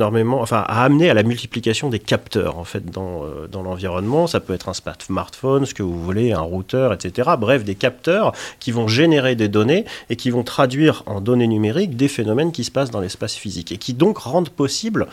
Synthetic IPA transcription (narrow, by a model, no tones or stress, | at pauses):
ɔʁmemɑ̃ɑ̃fɛ̰̃ʔa̰ːmnealamylt̪i̥plikasjɔ̃d̪ekapt̪œ̰ːʁɑ̰̃fɛt̪̚d̪ɑ̃ø̰d̪ɑ̃lɑ̃viʁɔnmɑ̃sapøɛt̪χɛ̃sma̰ʁt̪maʁt̪fɔnsə̥kəvuvuleɛ̰̃ʁut̪œʁɛt̪set̪eʁabʁɛfd̪ekap̚t̪œːʁkʲivɔ̃ʒeneʁed̪ed̪ɔneːkʲivɔ̃t̪χad̪ɥiʁɑ̰̃d̪ɔnenymeʁikd̪efenɔmɛnkʲisə̥pasd̪ɑ̃lɛspasfizikekʰʲid̪ɔ̃kʁɑ̃d̪pɔsibl